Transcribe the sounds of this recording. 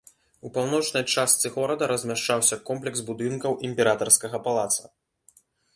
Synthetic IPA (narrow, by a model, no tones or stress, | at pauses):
upawnɔt͡ʂnɐjt͡ʂast̪sɨɣɔɾɐd̪ɐɾɐzʲmʲaʂt͡ʂawsʲɐkɔmplʲɛksbud̪ɨnkɐwʔimʲpʲɛɾat̪ɐrskɐɣɐpalˠat̪sɐ̰